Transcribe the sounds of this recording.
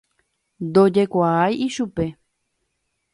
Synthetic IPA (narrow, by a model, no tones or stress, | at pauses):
nd̪o̞d͡ʒe̞kʷaajiʃupe̞